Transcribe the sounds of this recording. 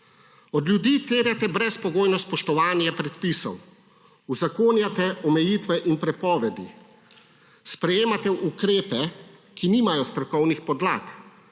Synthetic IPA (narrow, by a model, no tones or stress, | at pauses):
ɔd̪ljud̪iːt̪eːɾjat̪ɛbɾɛspɔɡoːjnɔspɔʃt̪ɔʋaːnjapɾɛt̪pisɔ̰w | uzakoːnjat̪ɛʔɔmɛjiːt̪ʋɛʔinpɾɛpɔːʋɛd̪ḭ | spɾɛjeːmat̪ɛʔukɾeːpɛ | kiniːmajɔst̪ɾɔkɔwnixpɔd̪laːk